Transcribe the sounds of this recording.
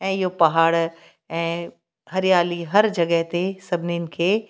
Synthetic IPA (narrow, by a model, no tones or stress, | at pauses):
ɛ̃ːɪɦopɐɦaːɽ | ɛ̃ː | hɐɾjaːliɦɐɾd͡ʑɐɡəɦt̪esɐbʱɪniənɪ̆kʰeː